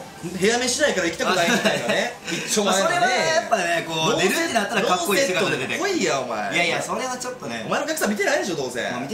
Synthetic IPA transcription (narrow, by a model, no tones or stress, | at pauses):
he̞jame̞ɕinaikaɾaikʲi̥t̪akkonaimit̪ainane | it͡ɕːomoeβaejapːainekoːoɾɯt̪enat̪ːaɾaɾokaːoieoet̪eeoiːjaoma̰ḛjajasoɾe̞βat͡ɕot̪ːoneomaenokʲakɯ̟̥sãmit̪e̞naid̪eo̞d̪o̞ːzḛ̃ami